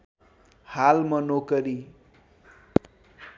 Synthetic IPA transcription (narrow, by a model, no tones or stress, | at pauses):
halmʌnokʌɾi